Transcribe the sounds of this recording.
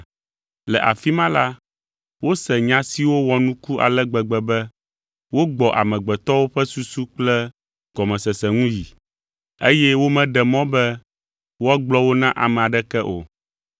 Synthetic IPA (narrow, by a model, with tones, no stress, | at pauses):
lɛ˨ʔa˨fi˦mã˦la˦ | wo˦sɛ˨ɲã˦si˦wo˦wɔ˨nũ˦ku˦ʔa̰˨lɛ˦ɡ͡bɛ˨ɡ͡bɛ˨bɛ˦ | wo˦ɡ͡bɔ˨ʔa̰˨mɛ̃˨ɡ͡bɛ˨t̪ɔ˦wo˦ɸɛ˦su˦su˦k͡plɛ˦ | ɡ̥ɔ˨mɛ̃˨sɛ˨sɛ˨ŋũ˦ji˨ | e˦jɛ˦wo˦mɛ̃˦ɖɛ˨mɔ̃˦bɛ˦ | wo˦a˦ɡ͡blɔ˦wo˦nã˦ʔa˨mɛ̃˨a˨ɖɛ˦kɛ˦ʔo̰˨